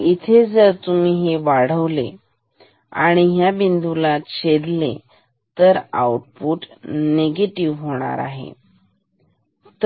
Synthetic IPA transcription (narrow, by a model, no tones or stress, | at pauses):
it̪ʰed͡zəɾt̪umiːɦeʋaɽ̤əʋle | a̰ɽ̃iɦjabind̪ulat͡ɕed̪lḛ | t̪əɾa̰wʈ̚puːʈneɡeʈiʋɦoɽ̃a̰ɾa̰ɦḛ | t̪